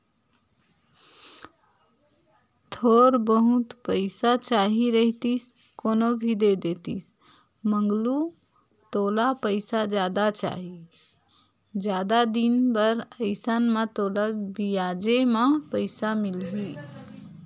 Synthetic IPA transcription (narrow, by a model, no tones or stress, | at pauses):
t̪ʰoɾbəɦut̪pəɪsat͡ʃaɦiɾəɦt̪is | konobʱid̪ed̪et̪is | məŋɡlu | t̪olapəɪsad͡ʒad̪at͡ʃa̰ɦi | d͡ʒjad̪ad̪inbəɾəɪsənmat̪olabijad͡ʒemapəɪsamilɦi